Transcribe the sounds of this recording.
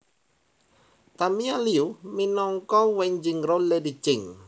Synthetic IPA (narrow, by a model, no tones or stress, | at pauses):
t̪amialiuminɔŋkɔwɛɲd͡ʒɪŋroledit͡ʃɪŋ